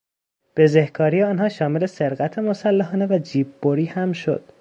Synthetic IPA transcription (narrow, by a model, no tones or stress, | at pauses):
b̥e̞zehkʰɒːɾijeɒːnɦɒːʃɒːmele̞se̞ɾɣæt̪ʰe̞mosælːæɦɒːnevæd͡ʒiːbːoɾiːhæmʃo̞̰d̪̥